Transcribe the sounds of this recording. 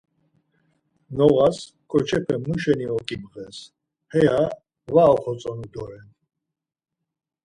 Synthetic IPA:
nɔɣas | kʼɔt͡ʃʰɛpʰɛmuʃɛniɔkʼimʁɛs | hɛa | vaɔχɔt͡sʼɔnud̪ɔɾɛn

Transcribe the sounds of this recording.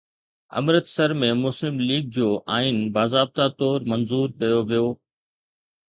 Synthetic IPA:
ɐ̰mɾət̪sɐɾmẽmʊslɪmliːɡ̚d͡ʑoːʔaːinbaːzaːb̚t̪at̪ɔːɾmɐnzuːɾkɐjoʋijoː

